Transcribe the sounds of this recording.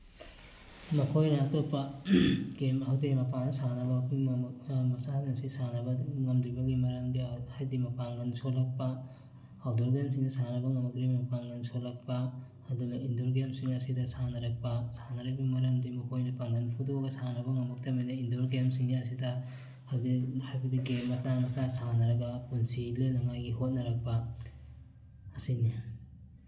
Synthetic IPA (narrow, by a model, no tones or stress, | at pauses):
mɐkʰojnɐːtopːɐ | ɡemɐɦawdemɐpanɐsanɐbɐimɐsahnɐsisanɐbɐŋɐmdɾibɐɡimɐɾɐmdihajdimɐpaŋɡɐnsolɐk̚pɐ | awdoɾɡemsiŋdɐsanɐbɐŋɐmɐkɾimmɐpaŋɡɐnsolɐk̚pɐː | duɡɐindoɾɡemsiŋɐsidɐsanɐɾɐk̚pasanɐɾɐbɐɡmɐɾɐmdimɐkʰojnɐpaŋɡɐnpʰudoɡɐsanɐbɐŋɐmɐk̚tɐmajnɐindoɾɡemsiŋniɐsidɐ | hajdihajbɐdiɡemːɐsamɐsasanɐɾɐɡapunsilenaŋajɡiɦot̚nɐɾak̚pa | ɐsini